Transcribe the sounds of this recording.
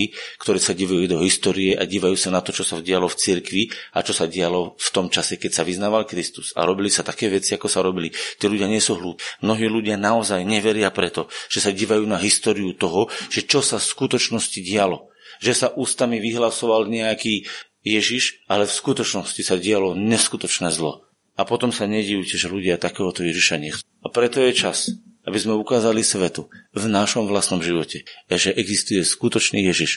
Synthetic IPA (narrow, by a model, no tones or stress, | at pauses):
ikt̪ɔɾɛːsaɟiːʋajud̪ɔɦist̪ɔːɾiɛʔaɟiːʋajuːsanat̪ɔt͡ʃɔsaɟɪalɔft͡siɾkʋia̰t͡ʃɔsaɟɛalɔft̪ɔmt͡ʃasɛkɛcsaʋiznaːʋalkɾist̪u̥z̥a̰ɾɔbilisat̪akɛːʋɛt͡siakɔsaɾɔbilit̪iːluɟɪaɲɪɛsuɦlut̪mnɔɦiːluɟɪanaɔzajɲɛʋɛɾɪapɾɛt̪ɔʒ̥ɛsaɟiːʋajuːnaɦist̪ɔːɾiut̪ɔɦɔʒ̥ɛt͡ʃɔsafskut̪ɔt͡ʃnɔsciɟɪalɔ | ʒɛsaʔuːst̪amiʋiɦlasɔʋalɲɛakiː | jɛʒiʃalɛfskut̪ɔt͡ʃnɔscisaɟɪalɔɲɛskut̪ɔt͡ʃnɛːzlɔ̰ | apɔt̪ɔmsaɲɛɟɛjuːcɛʒɛluɟɪat̪akɛːɦɔt̪ɔjɛʒiʃaɲɛxt͡suːapɾɛt̪ɔjɛt͡ʃas | abizmɛukaːzalisʋɛt̪uvnaʃɔmʋlast̪nɔmʒiʋɔcɛaʒɛʔɛɡzist̪ujɛskut̪ɔt͡ʃniːjɛʒiʃ